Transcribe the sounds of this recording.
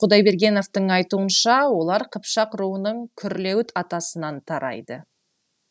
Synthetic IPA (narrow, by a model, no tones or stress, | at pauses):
qʰʊd̪ɑjbe̞ɾɡʲe̞no̞ft̪əɴɑjt̪uənʃɑwo̞lˠɑɾqʰəpʃɑqɾuənəɴkʲʰʏɾle̞wt̪ʰɑt̪ɑsənɑnt̪ʰɑɾɑ̰jd̪ə